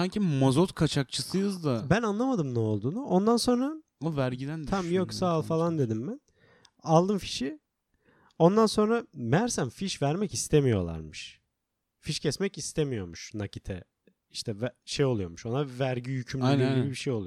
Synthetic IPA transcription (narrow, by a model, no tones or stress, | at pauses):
saɲcʰimazot̪kʰat͡ʃʰak̚t͡ʃʰɯsɯjɯzd̪abænanlˠamad̪ɯmnɛo̞lˠd̪uːnuʔo̞nd̪anso̞nɾa | væɾɟid̪ænd̪ʰamjoksaːlˠfalˠand̪e̞d̪imbæn | alˠd̪ɯmfi̥ʃi | o̞nd̪anso̞nɾamæɾsænfiʃvæɾmɛcist̪ʰemijo̞̰lˠa̰ɾmɯʃ | fiʃcʰɛsmɛcist̪ʰemijo̞ɾmuʃnacit̪ʰɛ | iʃt̪ʰɛvʃejolˠujo̞ɾmuʃo̞navæɾɟijycʰymlʲiilʲbibiʃejo̞lˠu